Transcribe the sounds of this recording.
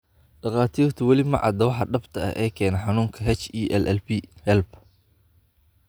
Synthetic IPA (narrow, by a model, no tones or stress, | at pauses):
ɖɑqɑːt̪ʰiːrt̪ʰɐwɑlimɐ̰ʕɑ̰d̪ɐwɑħɑɖɐbt̪ʰɐɐ̰ʔɛːkʰɛːnɐħɑnuːŋkʰɐɦɛt͡ʃiːʔɛlʔɛlbihɛlb